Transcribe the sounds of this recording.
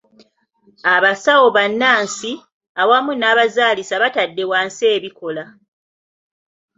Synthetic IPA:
aβasawo̞βanːaːnsi | awamunaːβazaːlisaβatadːe̞waːnse̞ːβiko̞la

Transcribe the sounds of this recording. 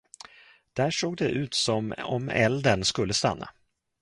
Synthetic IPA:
d̪̥æːʂoːɡ̚d̪ɛʔʉ̟ːt̪sɔmɔ̰mɛ̰ld̪ənskɵlːəst̪a̰nːa̰

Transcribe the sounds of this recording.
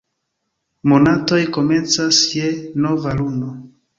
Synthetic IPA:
mo̞nato̞jko̞me̞nt͡sasje̞no̞valuno

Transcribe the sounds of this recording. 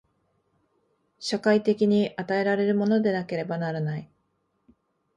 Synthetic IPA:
ɕakait̪e̞kʲiɲ̟iʔat̪ae̞ɾaɾe̞ɾɯ̟mo̞no̞d̪e̞nake̞ɾe̞banaɾanai

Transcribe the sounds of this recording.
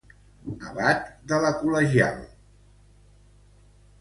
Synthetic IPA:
əβat̪d̪ələkuləʒia̰lˠ

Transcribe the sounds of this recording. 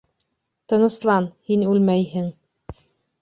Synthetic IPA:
t̪ɤ̆nɤ̆slˠɑnhinʉlmæjhɘŋ

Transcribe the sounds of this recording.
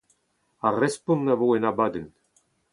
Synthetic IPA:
arɛspɔ̃nːavoːɛnabaːd̪ɛn

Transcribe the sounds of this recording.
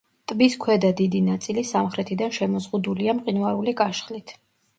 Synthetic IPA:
t̪ʼbiskʰwɛd̪ad̪id̪inat̪sʼilisamχɾɛt̪ʰid̪anʃɛmɔzʁud̪uliamqʼinvaɾulikʼaʃχlit̪ʰ

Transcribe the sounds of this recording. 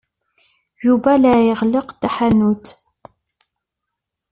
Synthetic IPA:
jubɐlaːjəʁləqt̪aħanut̪ʰ

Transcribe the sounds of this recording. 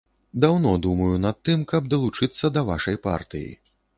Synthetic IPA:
d̪awnɔd̪umɐjunɐt̪ːɨmkɐb̚d̪ɐlˠut͡ʂɨt̪sːɐd̪ɐva̰ʂɐjpa̰rt̪ɨ̰jḭ

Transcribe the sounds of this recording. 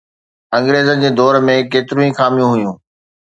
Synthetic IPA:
ɐ̃ŋɡɾeːzənd͡ʑeːd̪ɔːɾmẽkeːt̪ɪɾũĩxaːmijũɦʊjũː

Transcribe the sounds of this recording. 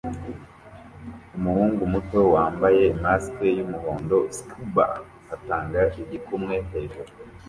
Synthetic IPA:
umuhuːŋɡumutwo̞waːmbaje̞imaskejumuho̞ːndo̞skʰuba̰ | ataːŋɡaʔiɟikumŋe̞ɦeʒo

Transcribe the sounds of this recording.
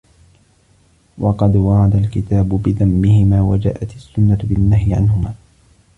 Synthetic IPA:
wʔɑqɑd̪wɑʕɑd̪alkɪt̪aːbʊbɪðamːɪhɪmaːwad͡ʒa̰ːʔat̪asːʊnːabɪnːahjɪʕanhʊmaː

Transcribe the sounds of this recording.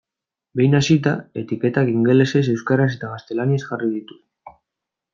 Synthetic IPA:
be̞jnasit̪a̰e̞t̪ike̞t̪akiŋɡe̞le̞se̞s̬e̞wskaɾas̬e̞t̪aɣast̪e̞laniesʝarið̞it̪u̥

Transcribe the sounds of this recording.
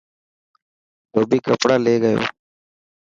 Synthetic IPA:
t̪oːbiːkəpɽaːleːɡəjo̰ː

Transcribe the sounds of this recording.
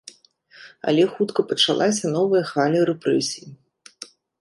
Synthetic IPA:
ɐ̰lʲɛxut̪kɐpɐt͡ʂalˠʔasʲɐnɔvɐjɐxvalʲɐɾɛpɾɛsʲiji

